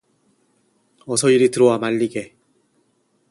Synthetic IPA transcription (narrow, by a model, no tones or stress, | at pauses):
ʌsʰʌiɾitɯɾʌwamaʎːiɡe̞